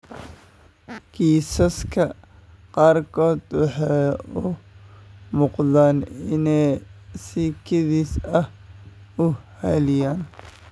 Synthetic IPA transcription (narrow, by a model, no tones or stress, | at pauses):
ɡ̥iːsɐskʰɐ | qɑːrkʰɔːd̪wɑħɑjʊ | muːqðaːnɪnɛjsiːkʰɪðiːsɐh | ʊhɛlɪjaːn